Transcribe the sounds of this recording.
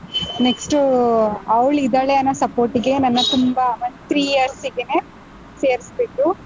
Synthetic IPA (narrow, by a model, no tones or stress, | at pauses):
neksʈuɐʋɭid̪ɐɭeɐnːɐsɐpoːɾʈiɡe̞nɐnːɐt̪umbɐmɐnt̪ɾiːjɐɾsiɡeneː | seːɾisbeːku